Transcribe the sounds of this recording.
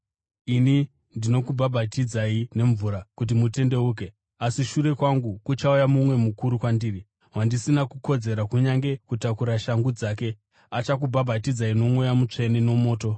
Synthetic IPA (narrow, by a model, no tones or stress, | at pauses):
ini | ndino̞kubʱabʱatid͡zaine̞ɱvuɾakut̬imute̞nde̞uːk̬e̞ | asiʃuɾe̞kwaŋɡukut͡ʃaujamumwe̞mukuɾukwandiːri | wandisinakuko̞d͡ze̞ɾakuɲaŋɡe̞kutakuɾaʃaŋɡud͡zaːk̬e̞ | at͡ʃak̬ubʱabʱatid͡zaino̞mojamut͡ʂe̞neno̞mo̞ːto̞